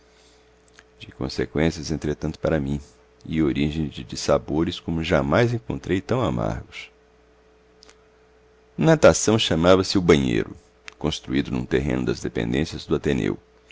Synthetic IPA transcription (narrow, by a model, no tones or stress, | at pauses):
d͡ʒɪkõ̰sekwẽsiɐzẽnt̪ɾet̪ɐ̃nt̪ʊ̥paɾɐmĩ | ioɾiʒẽj̃d͡ʒd͡ʒɪsaboɾɪskõmʊʒamajzẽŋkõnt̪ɾejt̪ɐ̃w̃ama̰ɾɡʊs | nat̪asɐ̃w̃ʃamavɐsɪʊbɐ̃ɲḛjɾʊ̰ | kõst̪ɾuid̪ʊnṵ̃t̪eɦḛ̃nʊd̪ɐzd̪epḛ̃nd̪ẽsiɐzd̪ʊat̪enḛw